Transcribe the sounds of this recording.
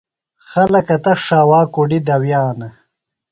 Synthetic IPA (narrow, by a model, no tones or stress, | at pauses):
xɐlɐkɐt̪ɐʂaːwaːkuɖid̪ɐwjaːnɐ